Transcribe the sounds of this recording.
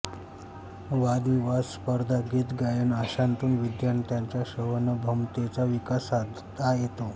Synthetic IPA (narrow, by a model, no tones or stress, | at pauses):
ʋad̪iʋasspəɾd̪ʱaɡiːt̪ɡajuːnaɕant̪uːnʋid̪jant̪jaɲt͡ɕjaɕəʋənəbʱəmt̪et͡saʋikasad̪ʱt̪ajet̪o